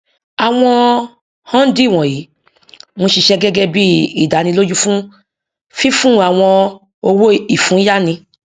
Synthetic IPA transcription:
a˨w̃ɔ̃˧ | hɔ̃˦n̩˦di˦˨w̃ɔ̃˨ji˨˦ | mɔ̃˧ʃi˧ʃɛ˧ɡɛ˦ɡɛ˦˧bi˦i˨da˨˦nĩ˧lo˦d͡ʒu˦fũ˦ | fi˦fũ˦˨a˨w̃ɔ̃˧ | o˧wo˦i˨fũ˨˦ja˦nĩ˧

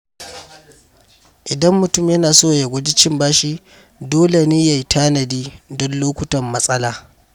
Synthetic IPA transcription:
ʔɪ˨dɐ˦mːʊ˨tʊ˦˨mjɐ˦naː˨soː˦ja˨ɡʷʊ˦di˦t͡ʃɪ˦mbaː˦ʃi˦ | doː˦le˨niː˦ja˨jtʰaː˦nɐ˨diː˦dɔ˦nloː˦kʷʊ˦tɐ˨mːɐ˦sʼɐ˦laː˨

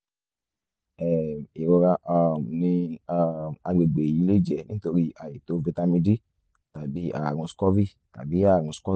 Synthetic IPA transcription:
ɛ˨i˨ɾo˧ɾa˧ʔɔ˨ni˧a˨ma˧ɡ͡be˨ɡ͡be˨ji˨˧˦le˦d͡ʒɛ˨nĩ˦to˧ɾi˧a˨ji˨to˧vi˧ta˧mi˧di˦ | ta˨bi˦a̰˨ɾũ˧skɔ˦vi˦ | ta̰˨bi˨˦a˦˨ɾũ˧skɔ˦

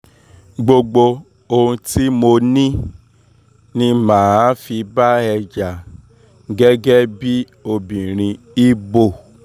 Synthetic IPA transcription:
ɡ͡bo˧ɡ͡bo˧ | o˧hũ˧ti˦mo˧nĩ˦ | nĩ˧mãː˨a˦fi˧ba˦ɛ˧d͡ʒa˨ | ɡɛ˦ɡɛ˦bi˦ | o˧bĩ˨ɾ̃ĩ˧ | i˦bo˨

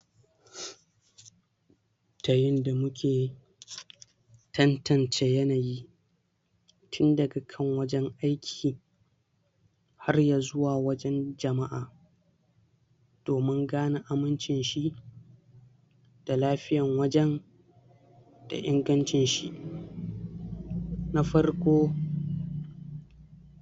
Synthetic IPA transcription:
ta˨jɪ˦nda˨mʊ˦kʲʰeː˨ | tɐ˦ntʰɐ˨nt͡ʃeː˦jɐ˦naː˨ji˦ | tʰʊ˦ndɐ˨ɡa˨kʰɐ˦ŋwɐ˦d͡ʒɛ˦ŋʔa˦jkʲʰiː˨ | ha˦rjaː˨zʊ˦waː˨wɐ˦d͡ʒɛ˦nd͡ʒɐ˨ma˦ʔaː˨ | d̥oː˨mɪ˦ŋɡaː˦na˨ʔa˨mɪ˦nt͡ʃɪ˨nʃi˦ | d̥a˨laː˦ɸɪ˦jɐ˨ŋwɐ˦d͡ʒɛ˦n | d̥a̰˨ʔɪ˦ŋɡɐ˦nt͡ʃɪ˨nʃi˦ʔ | na˦ɸɐ˦rkʷoː˦

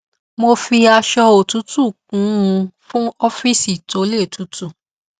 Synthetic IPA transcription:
mo˧fi˧a˧ʃɔ˧o˨tu˨˦tu˦˨k̚ũ˨˦ũ˧fũ˦ɔ˦fi˦˨si˦˨to˨˦le˦˨tʰu˨˦tu˦˨

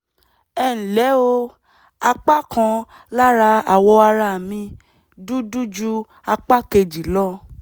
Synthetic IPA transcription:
ɛ˦˨n̩˨lɛ˨˦o˧ | a˧k͡pa˦kʰã˧ | la˦ɾa˧a˨wɔ˧a˧ɾa˦˨mĩ˧ | du˦du˦d͡ʒu˦ | a˧k͡pa˦ke˧d͡ʒi˨lɔ˦

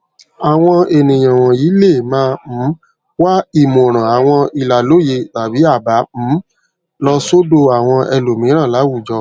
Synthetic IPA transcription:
a˨w̃ɔ̃˧e˨nĩ˨j̃ã˨w̃ɔ̃˨ji˨˦le˦˨mãː˦˧m̩˨˦ | wa˦i˨mõ˨ɾ̃ã˨a˨w̃ɔ̃˧i˧la˨lo˨˦je˧ta˨bi˨˦a˦˨ba˨˦m̩˨˦ | lɔ˧so˦do˧a˨w̃ɔ̃˧ʔɛ˧lo˨mĩ˨˦ɾ̃ã˦˨la˨˦wu˦˨d͡ʒɔ˧

